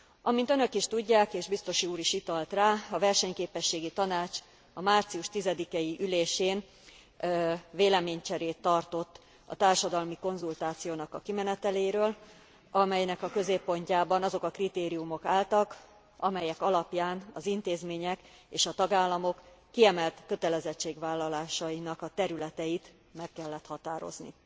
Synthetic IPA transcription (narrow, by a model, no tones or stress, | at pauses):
ʔɒmint̪ønø̞kiʃt̪uɟːaːkeːʒbist̪o̞ʃiuːɾiʃit̪ɒlt̪raːɒvɛrʃɛɲkeːpɛʃːeːɡit̪ɒnaːt͡ʃ | ɒmaːrt̪sijuʃt̪izɛd̪ikɛjiʔyleːʃeːn | veːlɛmeːɲt͡ʃɛɾeːt̪ːɒrt̪o̞t̪ː | ɒ̰t̪aːrʃɒd̪ɒlmiko̞nzult̪aːt̪sijoːnɒkɒkimɛnɛt̪ɛleːɾøːl | ɒmɛjnɛkɒkø̞zeːpːo̞ɲcaːbɒnɒzo̞kɒkrit̪eːɾijumo̞kaːlt̪ɒk | ɒmɛjɛkɒlɒpjaːnɒzint̪eːzmeːɲɛkeːʃɒt̪ɒɡaːlːɒmo̞kː | iɛmɛlt̪kø̞t̪ɛlɛzɛt͡ʃːeːɡʋaːlːɒlaːʃɒjinɒkɒt̪ɛɾylɛt̪ɛjit̪ | mɛkːɛlːɛt̪hɒt̪aːɾo̞̰znḭ